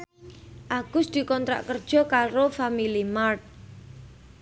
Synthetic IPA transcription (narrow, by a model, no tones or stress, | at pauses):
ʔaɡ̥ʊsd̪̥i̤kɔnt̪ɾa̰ʔkərd̥ʒ̥ɔ̤kaɾofamilimart̪̚